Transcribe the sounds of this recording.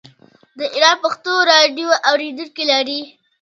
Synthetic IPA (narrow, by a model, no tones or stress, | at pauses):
d̪əʔɪɾɑn̚paxt̪oɾɑɖjoʔawɾed̪uŋkelaɾi